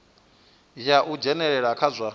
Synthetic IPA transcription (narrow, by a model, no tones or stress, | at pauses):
jaʔud͡ʒɛnɛɺɛɺakʰazʷa